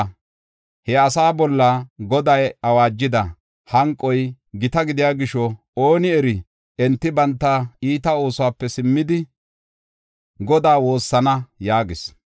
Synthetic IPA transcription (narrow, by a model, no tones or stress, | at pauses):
hɛɐsaːbɔlːɐɡɔd̪ɐjɐwaːd͡ʒːɪd̪ɐ | hɐŋkʼːɔj | ɡɪt̪ɐɡɪd̪ɪjaːɡɪʃɔ | oːnɪɛɾɪ | ɛnt̪ːɪbɐnt̪ːɐiːt̪ɐo̞ːsʊwaːpːɛsɪmːɪd̪ɪ | ɡɔd̪aːwo̞ːsːɐnɐjaːɡɪs